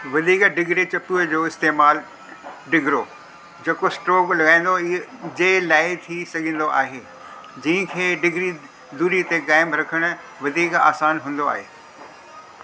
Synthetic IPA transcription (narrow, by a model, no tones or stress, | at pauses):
ʋɐd̪ʱiːkɖɪɡɾet͡ɕɐpiəd͡ʑoːɪst̪eːmaːl | ɖɪɡʱɾo | d͡ʑeːkosʈɾɔːklɐɡaːɪ̃ːn̆d̪od͡ʑeːlaːɪt̪ʰisɐɡʱə̃n̆d̪oʔa̰ːɦeː | d͡ʑĩːɦə̃kʰeːɖɪɡʱɾi | d̪uːɾit̪ekaːɪmɾɐkʰəɽ̃ʊ̆ | ʋɐd̪ʱiːka̰ːsaːnɦũːn̆d̪oa̰ːɦeː